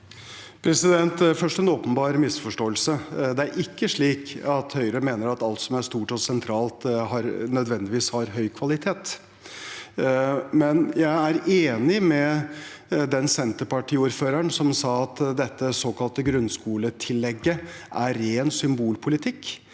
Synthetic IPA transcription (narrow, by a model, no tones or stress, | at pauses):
pʰɾɛsɪd̪ɛnt̪fœʂʈɛnɔːpənbɑːɾəmɪsfɔʂʈoːəlsəd̪ɛæɾʔɪkːəʂɭiːkɑt̪hœʏɾəmeːnəɾɑt̪ɑlt̪sɔmæʂt̪uːʈɔsɛnt̪ʰɾɑːlt̪ɦɑɾnœd̪ʋɛnd̪ɪʋiːshɑɾɦœʏkʰʋɑlɪt̪ʰeːt̪ | mɛnjæɪæɾeːnɪmɛ | d̪ɛnsɛnt̪əɾpɑʈʰiːuːɾføːɾəɳsɔmsɑːɑt̪d̪ɛt̪ːəsoːkɑlt̪əɡɾʉnskuːlət̪ʰɪlːɛɡːəʔæɾeːnsʏmbuːlpʰʊlɪt̪ʰɪkː